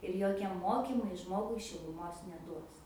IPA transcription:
ɪr ˈjoːkʲiɛ ˈmoːkʲiːmɐɪ ˈʒmoːɡʊɪ ʃʲɪlˠʊˈmoːs nʲɛˈduɔs

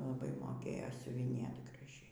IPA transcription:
lˠɐˈbɐɪ moːˈkʲeːjoː sʲʊʋʲɪˈnʲeːt ɡrɐˈʒʲɛɪ

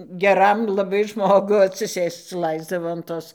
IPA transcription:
ɡʲɛˈrɐm lˠɐˈbɐɪ ˈʒmoːɡʊ ɐtʲsʲɪˈsʲeːst͡s ˈlˠɐɪzdɐʋoː ɐn ˈtoːs

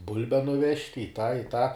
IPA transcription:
ˈbʊlʲbʲɛ nʊˈʋʲɛʃʲtʲ ɪ tɑː ɪ tɑː

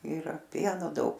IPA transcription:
ˈɪrɐ ˈpʲiɛnoː ˈdɐʊk

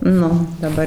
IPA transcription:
ˈnʊ dɐˈbɐr

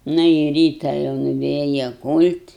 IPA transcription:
ˈnɐ ɪ ˈrʲiːtɐ jɛʊ nʊˈʋʲeːjɛ ˈkuːlʲtʲ

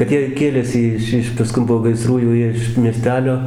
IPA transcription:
kɐt ˈjiɛ ˈkʲeːlʲeːsʲɪ ˈɪʃ ˈɪʃ pɐˈskʊn poː ɡɐɪˈsruː jɛʊ ˈjiɛ ɪʃ mʲiɛˈsʲtʲæːlʲoː

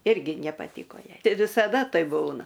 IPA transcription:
ˈɪrʲɡʲɪ nʲɛpɐˈtʲiːkoː ˈjɛɪ tʲɪ ʋʲɪsɐˈdɐ ˈtɐɪ ˈbuːnɐ

